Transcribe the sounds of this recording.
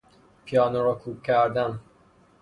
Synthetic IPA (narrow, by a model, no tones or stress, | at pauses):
pʰijɒːnoɾɔkʰuːkʰːæɾd̪æn